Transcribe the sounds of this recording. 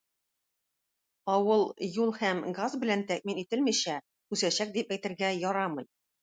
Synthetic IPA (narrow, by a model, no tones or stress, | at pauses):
ɒwɤlˠjulˠhæmɡazbɘ̆lænt̪æk̚minit̪ɘlmiɕæ | kʉsæɕæk̚d̪ipæjt̪ɘ̆ɾɡæjɒɾɑmɤ̆j